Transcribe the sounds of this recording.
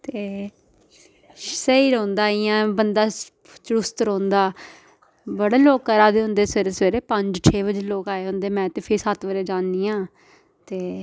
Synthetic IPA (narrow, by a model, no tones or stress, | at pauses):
t̪eː | səiːɾoːnd̪aːɪjãːbənd̪aː | t͡ʃɾʊst̪ɾõːnd̪aː | bəɽaːloːkəɾaːd̪eːɦʊ̃nd̪eːseɾeseːɾeːpəɲd͡ʒt͡ʃʰeːbəd͡ʒeːloːkaːeːɦʊ̃nd̪eːmɛ̃ːt̪eːpʰɪɾsət̪ʋəɾeːd͡ʒaːnːiːãː | t̪eː